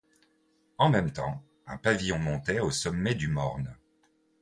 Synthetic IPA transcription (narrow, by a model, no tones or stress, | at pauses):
ɑ̃mɛmt̪ɑ̃ | ɛ̃pavijɔ̃mɔ̃t̪ɛosɔmːɛd̪ymɔ̰ʁn